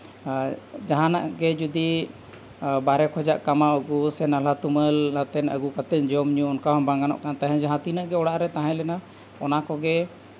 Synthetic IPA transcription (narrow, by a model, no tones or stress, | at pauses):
d͡ʒaɦãna̰ʔɡɛd͡ʒud̪i | baɾɛkʰɔd͡ʒaʔkamaɔɡusɛnalat̪uməlːat̪ɛnəɡukat̪ɛd͡ʒɔmɲuɔnkaɦɔmbaŋɡanɔ̰ʔkanat̪aɦɛ̃d͡ʒaɦãt̪inaʔɡɛɔɽaʔɾɛt̪aɦɛ̃lɛna | ɔnakɔɡɛ